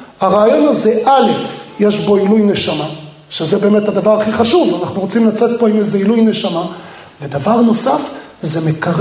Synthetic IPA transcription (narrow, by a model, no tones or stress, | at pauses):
haʁaːjo̞naze̞ʔale̞fjeʃbo̞ilujne̞ʃama | ʃezebe̞ːme̞t̪had̪avaʁaχiχaʃuvanaχnuʁo̞t͡simlat͡se̞t̪̚poimejzeilujne̞ʃama | ve̞d̪avaʁno̞safzemekaʁ